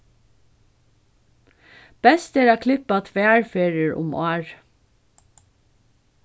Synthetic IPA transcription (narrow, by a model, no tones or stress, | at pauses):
b̥ɛst̪eːɹɑːkʰlɪpɑt̪ʰʋeːæɹfeːɹɪəɹʔʊ̰mʔoːɹ